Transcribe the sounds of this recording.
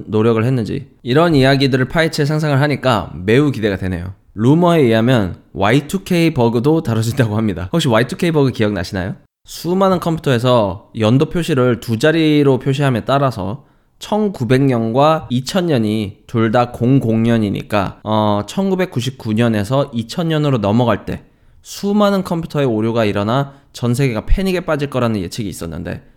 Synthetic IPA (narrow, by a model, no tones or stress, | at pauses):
noɾjʌɡɯɭhe̞nːɯnd͡ʑḭiɾʌnijaɡidɯɾɯɭpʰait͡ɕʰes̬ʰaŋs̬ʰaŋɯɭɦaɲik͈a̰me̞ukide̞ɡadwe̞ne̞̰jo̰ | ɾumʌe̞iɦamjʌnwaitʰukʰe̞ibʌɡɯdotaɾɯd͡ʑidaɡoɦamɲida̰hokɕ͈iwaitʰukʰe̞ibʌɡɯkijʌk̚na̰ɕʰina̰jo | sʰumanɯnkʰʌmpʰu̥tʰʌe̞sʰʌjʌndopʰjoɕʰiɾɯɭtud͡ʑaɾiɾopʰjoɕ̬ʰiɦamjet͈aɾasʰʌ̰ | t͡ɕʰʌnkube̞ŋɲʌnɡwait͡ɕʰʌɲːʌɲitoɭdakoŋɡoŋɲʌɲiɲḭk͈a̰ʌt͡ɕʰʌnɡube̞k͈̚uɕ̬ʰip̚k͈uɲʌne̞sʰʌʔit͡ɕʰʌɲɲʌnɯɾonʌmʌɡaɭt͈e̞̰ | sʰumanɯnkʰʌmpʰu̥tʰʌe̞oɾjoɡaiɾʌnat͡ɕʌns̬ʰe̞ɡe̞ɡapʰe̞ɲiɡe̞p͈ad͡ʑiɭk͈ʌɾanɯnje̞̰t͡ɕʰiɡiiːs͈ʌnːɯ̰nde̞̰